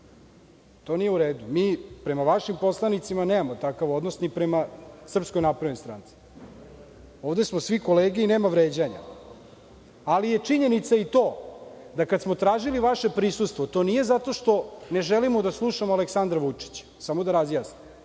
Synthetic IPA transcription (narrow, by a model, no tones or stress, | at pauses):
t̪o̞ːnijeuɾeːd̪umiːpɾe̞maʋaʃimpo̞slˠanit̪simaneːmamot̪akaʋo̞d̪nosnipɾemasr̩psko̞jnapɾaʋost̪ɾa̰nt̪si̥ | o̞ːʋd̪e̞smosʋikoleːɡɛine̞ːmaʋɾeːd͡ʑaɲa̰ | alije̞t͡ʂiɲe̞nit̪sait̪o̞ːd̪akad̪smo̞t̪ɾaːʒiliʋaʃepɾisust̪ʋot̪o̞nije̞zat̪o̞ʃt̪o̞neʒelimod̪aslˠuʃamoaleksand̪ɾaʋut͡ʂi̥t͡ɕ | samo̞d̪aɾazjaːsnim